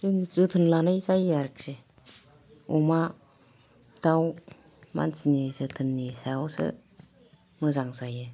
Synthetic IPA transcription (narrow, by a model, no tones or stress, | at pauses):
zɯŋzɯtʰɯnlanajzajaɾk̚se | ɔma | d̥aw | ma̰nsinizɯtʰɯnːisaosɯ̰ | mɯzaŋzajɯ